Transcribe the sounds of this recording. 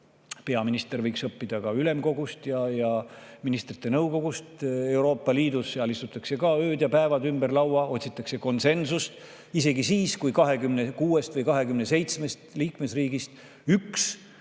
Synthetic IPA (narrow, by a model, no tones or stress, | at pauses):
pe̞ɑminist̪e̞ɾvɤjksɤpːid̪̥ɑkɑyle̞mko̞ɡust̪jɑjɑminist̪rit̪ːˑe̞nɤwko̞ɡ̥ust̪e̞uɾo̞ːpˑːɑliːd̪useɑlist̪ut̪ːˑɑkse̞kɑøːd̪̥jɑpæevɑd̪ymb̥erlɑwɑo̞t̪ʲsit̪ˑːɑkse̞ko̞nse̞nsust̪ | ise̞ɡisiːskujkɑɦe̞kymnekuːe̞st̪vɤjkɑɦe̞kymne̞se̞jt̪sme̞st̪liːkme̞sriːɡ̥ist̪ | yks